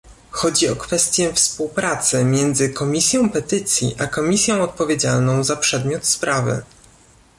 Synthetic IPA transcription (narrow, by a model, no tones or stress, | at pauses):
xɔd͡ʑiɔkfɛst̪ʲjɛfspuwpɾat̪sɘmʲjɛnd̪zɘkɔmʲisʲjɔ̃w̃pɛt̪ɘt̪sʲjḭʔakɔmʲisʲjɔ̃w̃ɔt̪̚pɔvʲjed͡ʑalnɔ̃w̃zapʂɛd̪mʲjɔt̪spɾʔavɘ̰